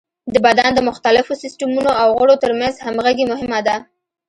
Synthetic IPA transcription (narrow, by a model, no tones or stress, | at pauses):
d̪əbad̪and̪əmʊxt̪alɪfosɪsʈamunoawɣəɽot̪əɾmanzhamɣaɡemʊɦɪmad̪a